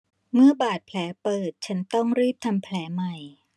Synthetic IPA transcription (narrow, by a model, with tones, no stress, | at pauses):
mɯ˥˩ɐbaː˨˩t̪̚pʰlɛː˩˦˥pɤː˨˩t̪̚t͡ɕʰa˦˥nt̪ɔ˥˩ŋɾiː˥˩p̚t̪ʰa˧mpʰlɛː˩˦ma˨˩j